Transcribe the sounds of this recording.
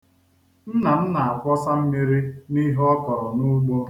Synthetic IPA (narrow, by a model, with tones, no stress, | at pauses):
n̩˦na˨n̩˦na˨a˨kʷɔ˦sa˦m̩˦mi˦ɾi˦ni˦ɦɔ˦kɔ˨ɾɔ˨nu˦ɡ͡bo˦